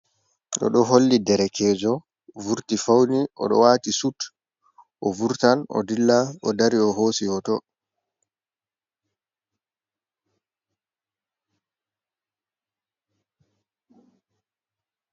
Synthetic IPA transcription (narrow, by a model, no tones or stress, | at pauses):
ɗɔ̰ɗɔɦolːidɛɾɛkʰɛːd͡ʒɔ | vuɾtifawniʔɔ̰ɗɔ̰watisut | ʔɔvuɾtanɔ̰dilːaɔdaɾiɔɦoːsijɔtɔ